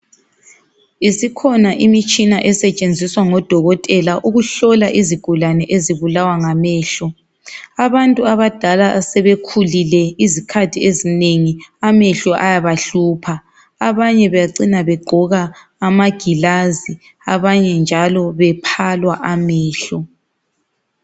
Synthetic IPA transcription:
isikʰɔnaʔimit͡ʃʼinaʔɛsɛt͡ʃʼend͡zʱiswaŋɔd̥ʱɔɣɔtʼɛlaʔuɣuɬɔlaʔiziɡ̥ʱulanɛʔeziβulawaŋamɛːɬɔ | aβantʼuaβad̥ʱalasɛβekʰulilɛizikʰatʰiezineŋiamɛɬɔʔajaβaɬuːpʰaː | βaɲɛβɛjaǀinaβɛɡ͡ǃʱɔɣaː | maɡ̥ʱilazi | aβaɲɛnd͡ʒʱalɔβɛpʰalwaʔamɛːɬɔ

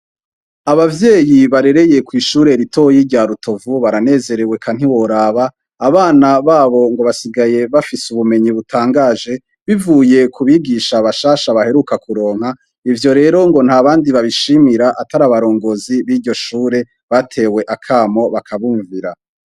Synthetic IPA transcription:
aβavje̞ːjiβaɾe̞ɾe̞je̞kwiːʃuːɾe̞ɾitʰo̞jiɾɟaːɾutʰo̞vuβaɾane̞ːze̞ɾewe̞kʰan̥hiwo̞ɾaːβaː | βaːnaβaːβo̞ŋɡo̞βasiɡaje̞βafisuβume̞ɲiβutʰaːŋɡaːʒe̞ | βivuːje̞kʰuβiːɡiʃaβaʃaːʃaβahe̞ɾukakuɾo̞ːŋ̥ha | ivjo̞ɾe̞ːɾo̞ŋɡo̞n̥haβaːndiβaβiʃimiɾaʔataɾaːβaɾo̞ːŋɡo̞ːziβiːɾɟo̞ʃuːɾe̞ | βatʰe̞ːwe̞ʔakʰaːmo̞βakʰaβuːɱviɾa

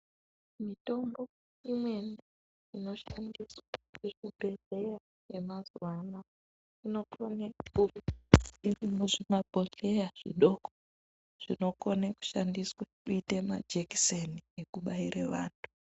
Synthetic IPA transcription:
mito̞mbo̞ | imwe̞ne | ino̞ʃandiswaekubʱe̞ɮe̞ja | jemazuwana | ino̞koneku | irimuʐimabʱo̞ɬe̞jaʐ̥ḭɗo̞ko̥ | ʐ̥ino̞koneku̥ʃandiswakuitema̰d͡ʒeki̥seniekuɓaireʋaːntʰu̥

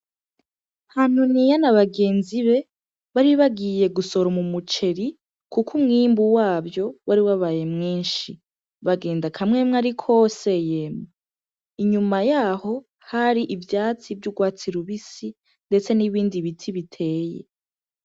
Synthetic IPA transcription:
han̥unijanaβaɡe̞ːnziβe̞ | βaɾiβaɡije̞ɡuso̞ɾomumut͡ʃe̞ɾi | kukʰumŋiːmbuwaːβjo̞waɾiwaβaːje̞mŋiːnʃi | βaɡe̞ːndakʰamŋe̞mŋaɾikʰo̞se̞jema | iɲumajaːho̞ | haɾiʔivjaːt͡sivjuɡwaːt͡siɾuβisi | nde̞t͡se̞niβiːndiβitʰiβitʰe̞ːjḛ

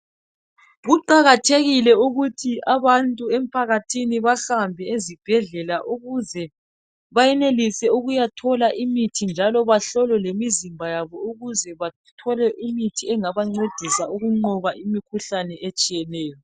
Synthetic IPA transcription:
ɣuǃaɣatʰeɣilɛuɣutʰiaβantʼuem̩pʰaɣatʰiniβaxambʱɛezib̥ʱɛɮɛlaʔuɣuzɛ | βajɛnelisɛuɣujatʰɔlaʔimitʰind͡ʒʱalɔβaɬɔlɛlemizimbʱajaβɔuɣuzɛβa | tʰɔlɛʔimitʰiɛŋaβaŋ͡ǀed̥ʱisauɣuŋ͡ǃɔβaimikʰuɬanɛʔet͡ʃʼijɛnɛːjɔ

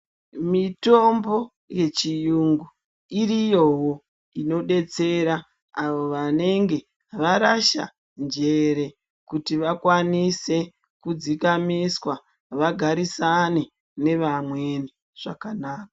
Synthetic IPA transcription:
mito̞mbo̞ | je̞t͡ʃijuŋɡu | iɾijo̞ɦo̞ | ino̞ɗe̞t͡se̞ɾa | aʋo̞ʋane̞ŋɡe̞ | ʋaɾaʃa̰ | nd͡ʒe̞ɾe̞ | kutiʋakwanise̞ | kud͡zikamiswa | ʋaɡʱaɾisane | ne̞ʋamwe̞ni | ʐ̥akanaːkḁ

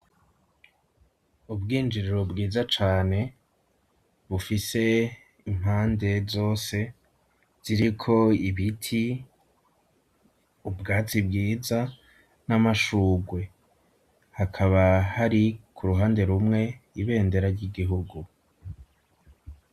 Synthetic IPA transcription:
ubɡiːnd͡ʒiɾiɾobɡiːzat͡ʃaːne̞ | βufise̞ | im̥haːnde̞zo̞ːse̞ | z̥iɾikʰo̞iβitʰi | ubɡaːt͡sibɡiːza | namaʃuːɡwe̞ | hakʰaβahaɾikʰuɾuɦaːnde̞ɾumŋe̞iβe̞ːnde̞ɾaɾɟiɡiɦuɡu

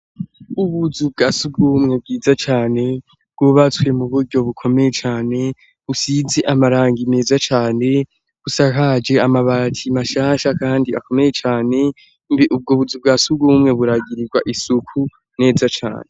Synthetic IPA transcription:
uβuzubɡaːsuɡɡumŋe̞b̚ɡiːzat͡ʃaːne̞ | b̚ɡ̥oβat͡swe̞muβuɾɟo̞βukʰo̞me̞je̞t͡ʃaːne̞ | usize̞ʔamaɾaːŋɡine̞ːzat͡ʃaːne̞ | βusakad͡ʒe̞amaβaːtʰimaʃaːʃakaːndiako̞me̞je̞t͡ʃaːne̞ | mbiʔub̚ɡoβuzub̚ɡasubɡumŋe̞βuɾaɡiɾiɡwa̰ʔisukʰu | ne̞ːzat͡ʃa̰ːne̞

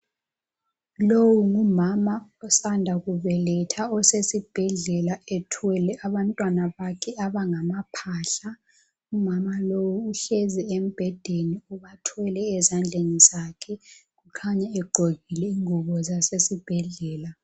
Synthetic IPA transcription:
lowuŋumamaɔsandʱaɣuβɛlɛtʰaɔsesib̥ʱɛɮɛlaɛtʰwɛlɛʔaβantʼwanaβakʰɛaβaŋamapʰaːɬa | umamalowuːɬɛzɛem̩b̥ʱɛd̥ʱeniuβatʰɛlɛːzand͡ɮʱenizakʰɛɣukʰaɲɛɛɡ͡ǃʱoɣilɛiŋuβɔzasesib̥ʱɛɮɛːla

